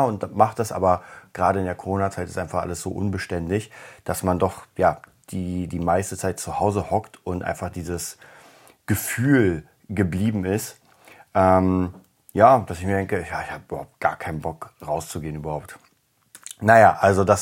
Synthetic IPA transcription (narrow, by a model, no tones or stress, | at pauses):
ʊntd̥maχt̚d̥asʔa̰ːbɐɡ̥ʁaːɾəɪndeːɐkʰoʁoːnat͡saɪtɪstʔaɪnfaχʔa̰ləsz̥o̰ːʔʊ̰nbəʃtɛntɪçd̥asmandɔχjaːd̥iːdiːmaɪstət͡saɪt̚t͡suhaʊzəhɔktʔʊntʔa̰ɪnfaχd̥iːzəs | ɡ̥əfyːl | ɡəbliːbm̩ɪst | ʔɛm | jaːd̥asɪçmiːɐdɛŋkəɪçjaːɪçhaːbəyːbɐhaʊp̚t̚ɡ̥a̰ːɐkʰaɪnənbɔkʁaʊst͡suɡeːənyːbɐhaʊp̚t | najaːʔalzodas